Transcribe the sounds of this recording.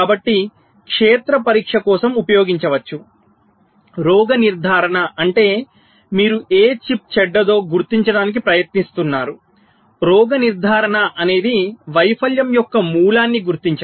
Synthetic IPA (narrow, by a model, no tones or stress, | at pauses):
kaːbɐʈːi | kʂeːt̪ɾɐpɐɾiːkʂɐkɔːsɐmupɐjo̞ːɡiɲt͡ʃɐʋɐt͡ʃːu | ɾɔːɡɐniɾd̪ʱaːɾɐɳɐʔɐɳʈe̞ː | miːɾuʔeːt͡ʃip̚t͡ʃɛɖːɐd̪o̞ːɡuɾt̪iɲt͡ʃɐɽaːnik̬ipɾɐjɐt̪nist̪unːaːɾu | ɾɔːɡɐniɾd̪ʱaːɾɐɳɐʔɐne̞ːd̪iʋɐjpʰɐljɐmjɔkːɐmuːlaːnːiɡuɾt̪iɲt͡ʃɐ